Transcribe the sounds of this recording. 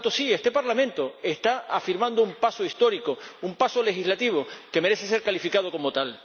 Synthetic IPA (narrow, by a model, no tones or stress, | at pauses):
t̪osiest̪e̞paɾlamẽ̞nt̪o̞est̪aafiɾmãnd̪oumpasoist̪o̞ɾikoumpaso̞le̞xizlat̪iβ̞o̞ke̞me̞ɾese̞s̬e̞ɾkalifikað̞o̞ko̞mot̪al